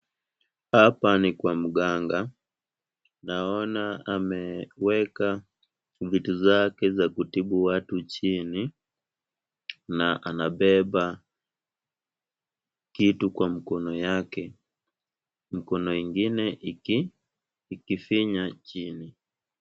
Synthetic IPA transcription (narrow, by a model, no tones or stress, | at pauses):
hapanikwam̩ɡaŋɡa | naɔnaamɛwɛka | vituzakɛzakutiɓuwatut͡ʃini | naʔanaɓɛba | kitukwam̩kɔnɔjakɛ | m̩kɔnɔiŋɡinɛʔi | kifiɲat͡ʃini